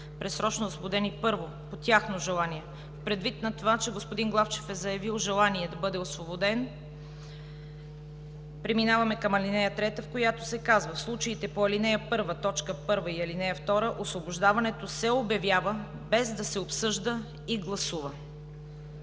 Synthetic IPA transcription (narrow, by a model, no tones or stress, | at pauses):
pɾɛsɾɔt͡ʃnoosvobod̪ɛnipɤɾvo | pot̪ʲjaxnoʒɛlˠaniɛ | fpɾɛd̪vit̪nɐt̪ovat͡ʃɛɡospoʊd̪inɡlˠaft͡ʃɛ̥fɛzɐjɐvilˠʒɛlˠaniɛd̪ɐbɤd̪ɛosvobod̪ɛn | pɾɛminavɐmɛkɐmɐlinɛjət̪ɾɛt̪əfkojat̪o̥sɛkazvəfslˠut͡ʃəit̪ɛpoɐlinɛjəpɤɾvət̪ɔt͡ʃkəpɤɾvəiɐlinɛjəft̪ɔɾəʔosvoboʒd̪avɐnɛt̪osɛobjɐvjavə | bɛzd̪ɐsɛopsɤʒd̪ə | iɡlˠɐsuvə